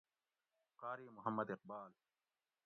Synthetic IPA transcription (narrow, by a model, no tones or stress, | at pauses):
qɑːɾiːmʊɦɐmːɐd̪ɪq̚baːl